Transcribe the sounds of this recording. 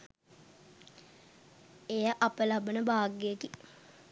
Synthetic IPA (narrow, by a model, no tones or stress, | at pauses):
ejəʔapəlabənəbaːɡːəjəki